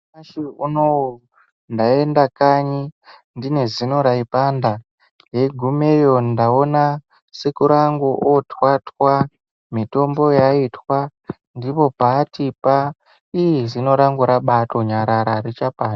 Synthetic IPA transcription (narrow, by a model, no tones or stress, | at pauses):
aʃiunow | ndae̞ndakaɲi | ndine̞zino̞ɾaipanda | ɦe̞ɡʱume̞jondaona | sekuɾaŋɡuʔotwatwa | mito̞mbo̞jaitwa | ndipo̞paːtipa | ijizino̞ɾaŋɡuɾaɓato̞ɲaɾaɾaɾit͡ʃapaːna